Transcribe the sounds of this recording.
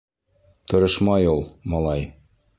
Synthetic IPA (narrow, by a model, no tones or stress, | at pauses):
t̪ʰŏɾɤʃmɑjulˠmɒlˠɑj